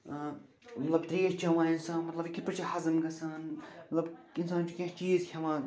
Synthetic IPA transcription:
mɐt̪lɐbt̪ɾeːʃt͡ʃʰɐʋãːɪnsaːnmɐt̪lɐbkipɨɾt͡ʃʰihɐzɨmɡɐsaːnmɐt̪lɐbɪnsaːnt͡ʃʰukʲɐ̃t͡ʃiːzkʰʲɐʋãː

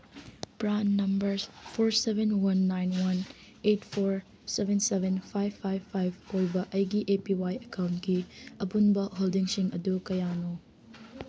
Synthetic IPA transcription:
pɾanːɐmbɐɾpʰoɾsebenwɐnːajnwɐn | etpʰoɾ | sebʱensebʱenpʰajbpʰːajbpʰːajbojbɐʔɐjɡiʔepiwajɐkawntkiɐpunbɐɦoldiŋsiŋɐdukɐjano

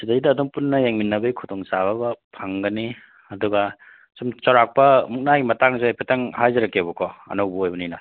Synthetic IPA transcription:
sidajdɐːdɔŋpunːɐjaŋminːɐbɐikʰutɔŋsabɐbɐpʰaŋɡɐni | ɐduɡɐ | sumt͡ʃɔɾak̚pɐmuk̚naɡimɐtaŋzeajpʰataŋhajzɐɾɐkːebukʰɔɐ̰nɐwbɐojbɐninɐ

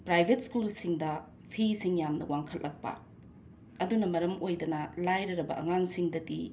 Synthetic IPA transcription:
pɾajbʱet̚skulsiŋdɐ | pʰisiŋjamnɐ̰waŋkʰɐllɐk̚pɐ̰ | ɐdunɐmɐɾɐmojdɐnɐlajɾɐɾɐbɐ̰ʔɐ̰ŋaŋsiŋdɐti

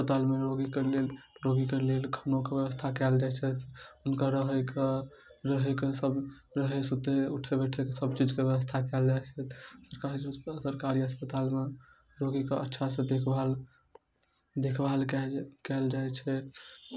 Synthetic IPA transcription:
spət̪almeɾoɡikelelɾoɡikelelkʰənokebjeʋəst̪ʰakɛld͡ʒajt͡ʃʰɛt̪unkaɾəɦəke | ɾəɦɛkesəbɾəɦesut̪euʈʰebeʈʰekesəbt͡ʃid͡ʒkebjewəst̪ʰakɛld͡ʒajt͡ʃʰɛt̪ʰsəɾkaisəɾkaɾiɦəspət̪alme | ɾoɡikeə̰tːʃʰasẽd̪ekʰbal | d̪ekʰbalkɛkɛld͡ʒajt͡ʃʰɛ

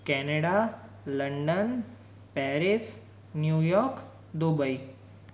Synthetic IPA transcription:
kɛneɽa | ləɳɖən | pɛɾis | njujɔɾk | d̪ubəi

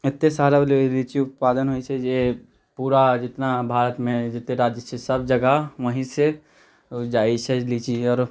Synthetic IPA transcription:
ɪt̪ːesaːɾaliːt͡ʃiʊt̪̚paːd̪ənɦoit͡ʃʰɛd͡ʒe | puːɾad͡ʒɪt̪nabʱaːɾət̪mẽd͡ʒɪt̪neɾaːd͡ʒət͡ʃʰesɐbd͡ʒɐɡaʋəɦĩse | d͡ʒaːit͡ʃʰɛlit͡ʃiɔːɾ

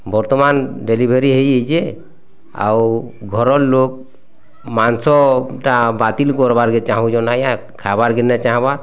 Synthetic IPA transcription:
bɔɾt̪ɔmanɖelibʱeɾiɦəjəjd͡ʒɛ | a̰wɡʱɔɾɔllok̚ | mansɔʈabat̪ilkɔɾbaɾɡɛt͡ʃaɦũd͡ʒɔnaja | kʰabaɾɡɛnɛt͡ʃaɦbaɾ

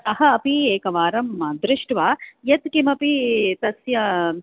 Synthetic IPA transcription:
t̪ɐɦɐːpieːkɐʋaːɾɐmːaːnd̪ɾɪʃʈʋaːjɐt̪kimɐpit̪ɐsjɐ

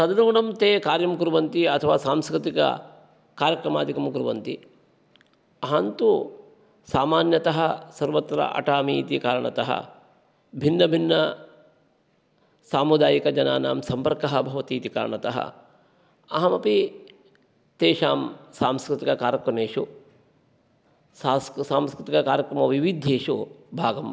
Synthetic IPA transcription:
sɐd̪ɐnuuɳɐmt̪eːkaːɾjɐmkuɾuʋɐnt̪iɐt̪ʰɐʋaːsaːmskɾɪt̪ikɐ̰ | kaːɾjɐkɾɐmaːd̪ʱikɐmkuɾuʋɐ̰nt̪i | ɐɦɐnt̪u | saːmaːnjɐt̪ɐɦɐsɐɾʋɐt̪ɾɐ̰ʔɐ̰ʈaːmiːt̪ikaːɾɐɳɐ̰t̪ɐɦɐ̰ | bʱinːɐbʱinːɐ | saːmud̪aːjikɐd͡ʒɐnaːnaːmsɐmpɐɾkɐɦɐbʱɐʋɐt̪iːt̪ika̰ːɾɐɳɐt̪ɐ̰ɦɐ̰ | ɐɦɐmɐpi | t̪eːʃaːmsaːmskɾɪt̪ikɐkaːɾjɐkɾɐmeːʂu | saːmskɾɪt̪ikɐkaːɾjɐkɾɐmɐʋiʋid̪ʱːeːʃubʱaːɡɐm

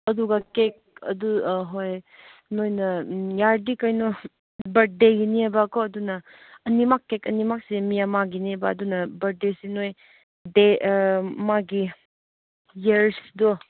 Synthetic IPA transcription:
ɐduɡakek̚ɐ̰duɦojnojnɐjaɾdikajnɔ | bɐɾdeɡiniebakɔɐdunɐː | nimakːekɐnimak̚semijamaɡinibaːdunɐbɐɾ̚desinoj | de | maɡi | jeɾsdɔ

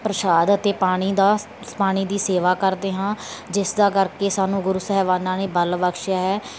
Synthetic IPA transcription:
pɾəʃaːd̪ət̪eːpaːɽ̃iːd̪aː | paːɽ̃iːd̪iːseːʋaːkəɾd̪eːɦãːd͡ʒɪsd̪aːkəɾkeːsaːnũːɡʊɾusəɦɛːʋaːnãːneːbəlʋəkʃjaːɦɛː

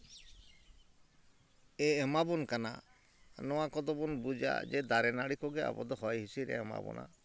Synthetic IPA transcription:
eɛmabɔnkana̰ | nɔwakɔd̪ɔbɔnbud͡ʒa̰d͡ʒɛd̪aɾɛnaɽikɔɡɛa̰bɔd̪ɔhɔjɦisiɾɛ̰ɛma̰bɔ̰nʔa̰

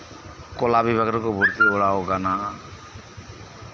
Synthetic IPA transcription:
kolabibʱaɡɾɔkobʱuɾt̪ibɔɽaoɡana

